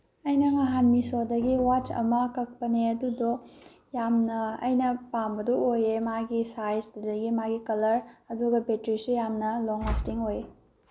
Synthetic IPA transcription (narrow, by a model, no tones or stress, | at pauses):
ɐjnɐmɐɦanmisodɐɡiwat͡ʃɐ̰mɐkɐk̚pɐneɐdudo | jamnɐɐ̰jnɐpambɐdɔojemaɡisajsdudɐɡimaɡikɐlɐɾɐduɡɐpetɾisujamnɐloŋastiŋoje